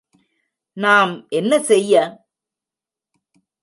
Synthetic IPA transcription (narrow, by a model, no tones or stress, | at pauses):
naːmʔɛnːɐsɛjːɐ